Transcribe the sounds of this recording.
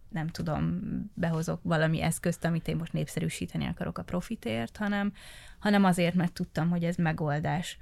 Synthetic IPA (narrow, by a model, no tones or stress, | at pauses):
nɛmt̪ud̪o̞̰mbɛɦo̞zo̞kʋɒlɒmḭʔɛskøst̪ɒmit̪eːmːo̞ʃt̪neːpsɛɾyːʃiːt̪ɛnḭɒ̰kɒɾo̞̰kɒpɾo̞fit̪eːrt̪hɒnɛmhɒnɛmɒzeːrt̪mɛrt̪ːut̪ːɒmɦo̞ɟɛzmɛɡo̞ld̪aːʃ